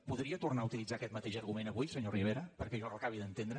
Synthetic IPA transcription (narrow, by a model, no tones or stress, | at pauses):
puðɾiət̪urnaut̪ilid͡zakɛt̪mət̪eʒəɾɣumenəβujsəɲoriβ̞eɾəpəɾkɛʒɔrəkaβiðənt̪end̪ɾə